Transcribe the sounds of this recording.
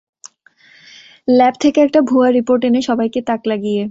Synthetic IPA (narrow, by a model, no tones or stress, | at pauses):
lɛpt̪ʰekeɛk̚ʈabʱuaɾːipoɾʈeneʃɔbajket̪aklaɡije